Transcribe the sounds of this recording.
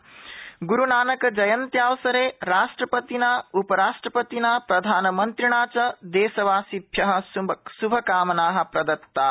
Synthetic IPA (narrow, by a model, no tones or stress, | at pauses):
ɡuɾunaːnɐkɐd͡ʒɐjɐnt̪jaːʋsɐɾeːɾaːʂʈɾɐpɐt̪inaːupɐɾaːʂʈɾɐpɐt̪inaːpɾɐd̪ʱaːnɐmɐnt̪ɾiɳ̃aːt͡ʃɐd̪eːsɐʋaːsibʰʱjɐɦɐ̆ssubʱɐkaːmɐnaːɦɐ̆pɾɐd̪ɐt̪ːaː